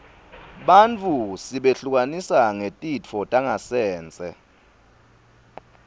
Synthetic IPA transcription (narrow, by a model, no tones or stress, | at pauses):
ɓant͡fʰusiɓeɬuk̬ʼanisaŋetʼit͡fʰɔtʼaŋasɛːnt͡sʼɛ̰